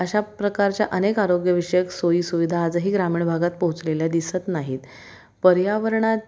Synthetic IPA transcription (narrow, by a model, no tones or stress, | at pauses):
əɕapɾəkaɾt͡ɕjaʔənekaɾoɡjəʋiʂəjəksoiːsuʋid̪ʱaːd͡zəɦiːɡɾamiːɳbʱaɡat̪̚pəɦut͡sleljad̪isət̪naɦiːt̪ | pəɾjaʋəɾɳa